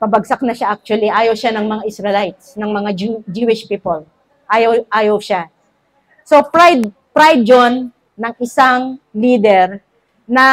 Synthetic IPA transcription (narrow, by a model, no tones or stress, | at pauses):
pɐbɐɡ̚sak̚nɐʃaʔak̚t͡ʃʊwɐliʔaːjɐwʃanɐŋmɐŋaʔɪsɹɛlajt̪̚snɐŋmɐŋad͡ʒd͡ʒuːɪʃpiːpol | ʔaːjɐwʔaːjɐwʃa | so̞pɹajd̪̚ | pɾajd̪̚d͡ʒonː | ɐŋɪsaŋliːd̪ɛɾ | nɐ